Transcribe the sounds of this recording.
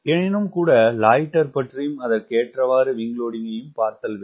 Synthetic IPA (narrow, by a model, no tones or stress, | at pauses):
ɛnɪnɯmkuːɽɐlaːjʈːɐɾpɐʈrijɯmɐðɐɾkeːʈrɐʋaːɾɯʋɪŋɡɭoːɽɪŋɐjɯmpaːɾt̪ɐlʋe